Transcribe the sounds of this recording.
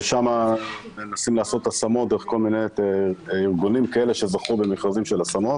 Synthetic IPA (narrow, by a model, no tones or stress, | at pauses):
ʃama | enasimlaːso̞t̪asamo̞t̪̚d̪eʁeko̞lmine | iʁɡunimkae̞le̞ʃe̞zaχube̞miχʁazimʃelasamo̞t